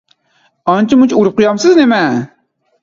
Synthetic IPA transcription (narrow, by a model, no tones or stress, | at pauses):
ɑnt͡ʃimut͡ʃuɾp̚qʊjɑmsɨznemæ